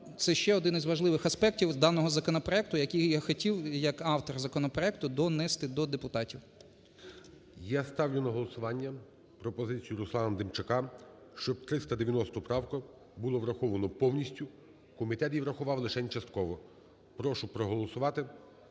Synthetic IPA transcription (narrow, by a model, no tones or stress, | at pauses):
t̪sɛʃt͡ʃɛɔd̪ɪnɪzʋɐʒlˠɪʋɪxɐspɛktʲiwd̪ɑnɔɦɔzɐkɔnɔpɾɔɛk̚t̪ʊjɐkʲijjaxɔtʲiwjɐkɑwt̪ɔrzɐkɔnɔpɾɔɛkt̪ʊd̪ɔnɛst̪ɪd̪ɔd̪epʊt̪ɑtʲiw | jast̪ɑwjʲʊnɐɦɔlˠɔsʊʋɑnʲːɐ | pɾɔpɔzɪt͡sʲijʊɾʊslˠɑnɐmd̪emt͡ʃɪkɑ | ʃt͡ʃɔb̚t̪ɾɪst̪ɐd̪eʋʲjɐnɔst̪ʊpɾɑwkɐ | bʊlˠɔʋɾɐxɔʋɐnɔpɔwnʲisʲtʲʊ | kɔmʲit̪ɛt̪ʲjiʋɾɐxʊʋɑwlˠɪʃɛnʲt͡ʃɐst̪̚kɔʋɔ | pɾɔʃʊpɾɔɦɔlˠɔsʊʋɑt̪ɪ